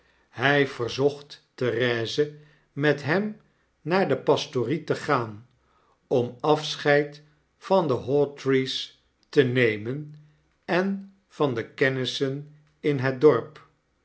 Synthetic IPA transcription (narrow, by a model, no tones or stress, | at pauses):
hɛjv̥əɹzɔχtː | ərɛːzə | mɛtɦɛm | naːɹdəpɑstoritəχaːn | ɔmɑfsχɛjt | fɑndəɦɔtɹis | tənejmən | ɛn | fɑndəkɛnɪsən | ɪnɦɛd̚dɔɹp